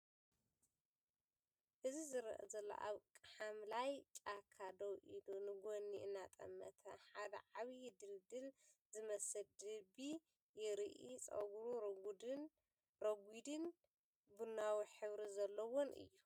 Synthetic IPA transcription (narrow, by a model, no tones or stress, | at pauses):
ʔɨzizɨɾɐ̰ʔɐzɐlːo̰ʔa̰βkʼɐħamlajt͡ʃʼakʰad̪owʔilunɨɡonːiʔɨnːat̪ʼɐ̰mːɐ̰t̪ʰɐ̰ħad̪ɐ̰ʕaβid̪ɨld̪ɨlzɨmɐsɨld̪ɨbi | jɛɾɨʔit͡sʼɐ̰ɡuɾuɾ | ɾɐɡʷid̪ɨn | bunːawiħɨβɾizɐlːɐwonʔɨ̰jːu